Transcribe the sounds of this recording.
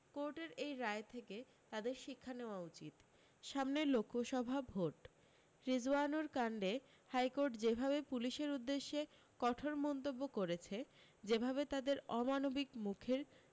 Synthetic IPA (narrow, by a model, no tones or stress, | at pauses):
koɾʈeɾejɾaet̪ʰeke | t̪ad̪eɾʃikʰːaneoaut͡ɕit̪ | ʃamnelokʰːoʃɔbʱabʱoʈ | ɾid͡ʑuanoɾkaɳɖe | hajkoɾʈd͡ʑebʱabepuliʃeɾud̪ːeʃːe | kɔʈʰoɾmɔnt̪obːokoɾet͡ɕʰed͡ʑebʱabet̪ad̪eɾɔmanobikmukʰeɾ